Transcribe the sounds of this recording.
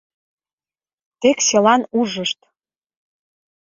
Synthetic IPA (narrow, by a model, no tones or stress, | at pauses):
t̪ekselɑnuʒəʃt̪